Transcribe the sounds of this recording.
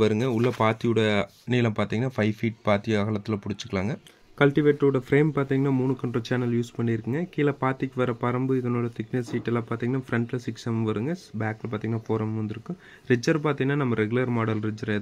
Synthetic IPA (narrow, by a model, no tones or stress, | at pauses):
ʋɐɾɯŋɡɐʊɭːɐpaːt̪ɪjʊɽɐ | niːlɐ̃ːpaːɾt̪iːŋɡɐnːaːfɐɪfiːʈ̚paːt̪ɪjɐɐɣɐɭɐt̪ːɪlɐpʊɽɪt͡ʃːɯkːɐɭaːŋɡɐ | kɐlʈɪʋeːʈɾoːɽɐfɾeːmpaːɾt̪iːŋɡɐnːaːmuːɳɯkːɐɳɖrɐt͡ʃaːnɐljuːspɐɳːɪjɪɾɯkːɯŋɡɐkiːlɐpaːt̪ːikʲːɯʋɐɾɐpɐɾɐmbɯɪðɐnoːɭɐt̪ɪknɐsiːʈːɛlːãːpaːɾt̪iːŋɡɐnːaːfɪɾɛɳʈlɐsɪksɐmʋɐɾɯŋɡɐbaːklp̬aːɾt̪iŋɡɐnːaːfoːɾɐmʋɐnd̪ɪɾɯkːɯ̃ | ɾɪd͡ʒːɐɾpaːɾt̪ĩŋɡɐnːaːnɐmːɐɾɛɡʊɭlɐɾmaːɽɐlɾɪd͡ʒɐɾð